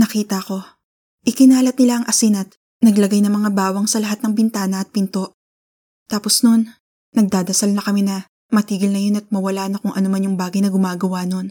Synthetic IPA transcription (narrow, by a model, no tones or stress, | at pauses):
nɐkiːt̪ɐko̞ | ʔɪkɪnaːlɐt̪̚nɪlaʔɐŋʔɐsinɐt̪̚ | nɐɡlɐɡajnɐŋmɐŋabaːwɐŋsɐlɐɦat̪̚nɐŋbɪnt̪aːnɐɐt̪̚pɪnt̪o̞ʔ | t̪aːpo̞sno̞nː | ɐɡ̚d̪aːd̪ɐsalnɐkɐminɐ | mɐt̪iːɡɪlnɐjonɐt̪̚mɐwɐlaːnɐkʊŋʔɐnomanjʊŋbaːɡɐjnɐɡʊmaːɡɐwano̞n